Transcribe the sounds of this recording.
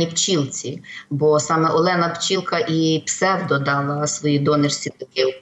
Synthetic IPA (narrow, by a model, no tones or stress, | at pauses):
ipt͡ʃilˠt͡sʲibɔsɑmɛʔɔlˠɛnɐpt͡ʃilˠkɐʔipsɛwd̪ɔd̪ɑlˠɐsʋɔjid̪ɔnɪrsʲit̪ɔkɪ